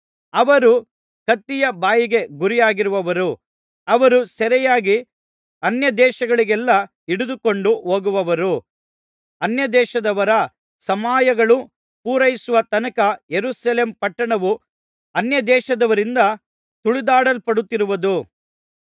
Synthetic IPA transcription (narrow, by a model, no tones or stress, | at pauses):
ɐʋɐɾu | kɐt̪ːijɐbaːjiɡe̞ɡuɾijaːɡiɾuʋɐʋɐɾu | ɐʋɐɾusɛɾɛjaːɡi | ɐnjɐd̪ɛːʃɐɡɐɭiɡɛlːɐ | iɽud̪uko̞ɳɖuɦoːɡuʋɐʋɐɾu | ɐnjɐd̪ɛːʃɐd̪ɐʋɐɾɐ | sɐmaːjɐɡɐɭu | puːɾɐjisuʋɐt̪ɐnɐkɐjeɾuːsɐleːmpɐʈːɐɳɐʋu | ɐnjɐd̪ɛːʃɐd̪ɐʋɐɾind̪ɐ | t̪uɭid̪aːɽɐlpɐɽut̪ːiɾuʋɐd̪u